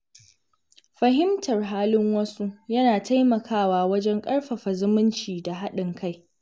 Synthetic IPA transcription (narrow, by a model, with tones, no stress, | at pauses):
ɸɐ˨ɦɪ˦mtʰɐ˨rɦaː˦lɪ˦ŋwɐ˦su˦jɐ˦naː˨ta˦jmɐ˨kʰaː˦waː˨wɐ˦d͡ʒɛ˦ŋkʼɐ˦ɽɸɐ˨ɸɐ˨zʊ˦mɪ˦nt͡ʃiː˨da˨ɦa˦ɗɪ˨ŋkʰa˦˨j